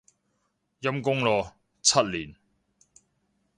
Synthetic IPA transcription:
jɐ˥mkʊ˥ŋlɔː˨˧ | t͡sʰɐ˥t̚liː˨˩n

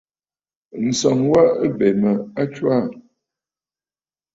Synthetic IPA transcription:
n̩˨sɔ˨ŋwa˦ʔə˦bɛ˨mə˨a˦t͡ʃwa˦˨

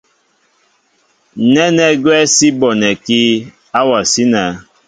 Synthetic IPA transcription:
nɛ˦nɛ˦ɡwɛ˦si˦bɔ˨nɛ˨ki˦ | a˦wa˨si˦na˨˦

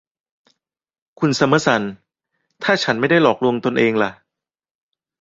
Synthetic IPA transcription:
kʰu˧nsa˧ma˦˥sa˨˦n | t̪ʰaː˥˩t͡ɕʰa˦˥nma˥˩jda˥˩jlɔː˨˩k̚lu˧əŋt̪o˧nʔeː˧ŋla˨˩ʔ

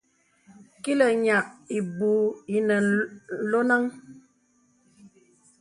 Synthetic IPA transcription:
ki˦lə˨ɲa˨k̚i˨bu˨˦i˨nə˨lo˦na˦ŋ

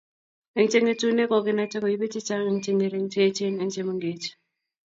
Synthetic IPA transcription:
ɛ˨˦ŋ˦t͡ʃe˦ŋe˦tu˦ne˦kɔ˨kɪ˦na˦t͡ʃɛ˦kɔ˨ji˦be˦t͡ʃɪ˦t͡ʃa˦ŋɛ˨˦ŋt͡ʃɛ˦ŋe˨ɾe˨˦ŋ˦t͡ʃe˦t͡ʃe˦nɛ˨ŋt͡ʃe˦mɔ˨˦ŋɡe˨˦t͡ʃ

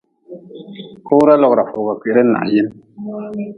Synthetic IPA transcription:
ko˦ɾa˦lɔ˦˨kɾa˨fo˨ba˨ke˨˦ɾɨ˦na̰˨ʔji˦n

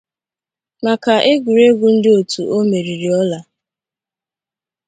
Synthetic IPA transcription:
ma˨ka˨ʔe˦ɡʷu˨ɾe˦ɡʷu˨n̩˦dɪ˦o˨tu˨ʔo˦me˨ɾi˨ɾi˨ɔ˦la˨

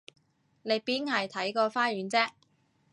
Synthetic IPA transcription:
ne˨˧jpiː˥nhɐ˨jt̪ʰɐ˨˥jkɔː˧faː˥jyː˨˥nt͡sɛː˥

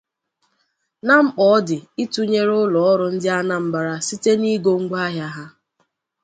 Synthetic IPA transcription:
na˦ŋ͡m̩˦k͡pɔ˨ɔ˦dɪ˨i˦tu˦ɲe˦ɾʊ˦lɔ˨ɔ˦ɾʊ˦n̩˦dɪ˦a˦na˦m̩˦ba˨ɾa˦si˦te˦ni˦ɡo˦ŋ̩˦ɡ͡ba˦ɦja˦ɦa˦

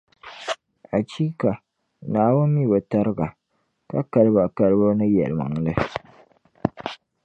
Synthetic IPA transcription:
a˨t͡ʃiː˦ka˨ | naː˨wʊ˦nːi˦bo˨ta˦ɾɨ˦ɡa˨ | ka̰˦ka˨lba˨ka˨lbo˦nɨ˦jɛ̰˨lma̰˨ŋlɨ˦

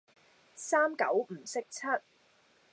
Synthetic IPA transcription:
saː˥mkɐ˨˥wm̩˨˩sɪ˥k̚t͡sʰɐ˥t̚

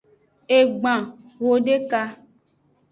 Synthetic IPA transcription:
e˨ɡ͡bã˨ | wo˦ɖe˦ka˧

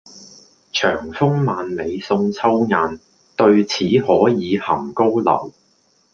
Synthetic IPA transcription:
t͡ʃʰœː˨˩ŋfʊ˥ŋmaː˨nme˨˧jsʊ˧ŋt͡sʰɐ˥wŋaː˨n | t̪ɵ˧ɥt͡sʰiː˨˥hɔː˨˥jiː˨˧hɐ˨˩mko˥wlɐ̰˨˩w

